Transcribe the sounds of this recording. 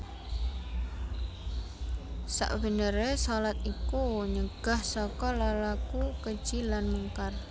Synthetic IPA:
sa̰ʔbə̤nəɾesɔlat̪ikuɲəɡ̥ahsɔkɔlalakukə̥ʒ̥ilanmuŋkar

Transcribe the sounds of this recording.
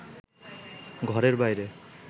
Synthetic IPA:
ɡʱɔɾeɹbajɾe

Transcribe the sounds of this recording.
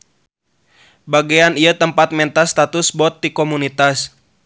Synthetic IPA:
baɡeaniat̪əmpat̪̚mɛnt̪ast̪at̪usbɔt̪̚dikɔmunit̪as

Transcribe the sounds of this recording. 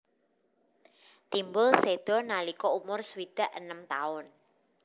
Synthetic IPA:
t̪imbʊlsed̪̥ɔ̤nalikɔumʊrswid̪̥a̤ʔə̰nəmt̪aʊn

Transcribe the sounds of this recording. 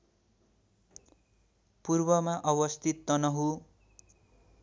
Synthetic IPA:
purbʌmaʔʌβʌst̪ʰit̪ːʌnʌɦu

